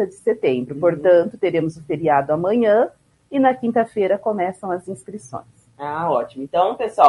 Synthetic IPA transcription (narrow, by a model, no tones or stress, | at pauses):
ɐd͡ʒɪset̪ẽmbɾʊpoɾt̪ɐ̃nt̪ʊt̪eɾẽmʊzʊfeɾiad̪ʊamɐ̃ɲɐ̃ | ɪnɐkĩnt̪ɐfeɾɐkomɛsɐ̃w̃ɐzĩskɾisõ̰j̃s | aɔt͡ʃimʊẽt̪ɐ̃w̃pesua